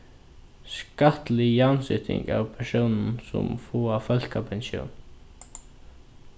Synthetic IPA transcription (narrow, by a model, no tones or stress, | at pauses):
skaht̪lɪjansɪt̪ʰɪ̰ŋka̰wpʰɛɹsownn̩sʊ̰mfɔːafœlkapʰɛnsjo̰wn